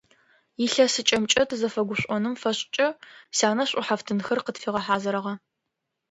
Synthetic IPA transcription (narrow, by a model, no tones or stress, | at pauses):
jɪɬɐsɨt͡ʃʼɐmt͡ʃʼɐtʰɨzɐfɐɡʷʊɕʷʼɔnɨmfɐɕʼt͡ʃʼɐsaːnɐɕʼʊħaftʰɨnxɐrqətfiːʁɐħaːzɐɾɐʁɐ